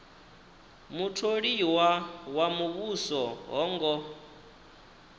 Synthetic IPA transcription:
mutʰoɺiwawamuβusɔɦɔːŋɡɔ

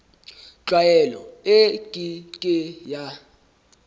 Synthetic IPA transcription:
t͡ɬwajɛlɔ̰ekʼikʼɪja

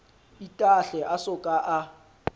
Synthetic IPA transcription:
itʼaɬɛʔasʊkʼaʔa

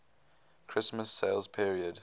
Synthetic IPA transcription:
kʰɹ̥ɪsməsːeɪlz̥pʰiɹiəd

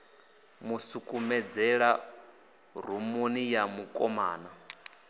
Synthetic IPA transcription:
musukʼumɛd͡zɛɺa | r̤umunijamukʼɔma̰ːna

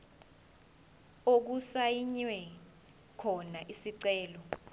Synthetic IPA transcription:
ok̬usajiɲwɛ | kʰɔnaʔisiǀɛːlɔ

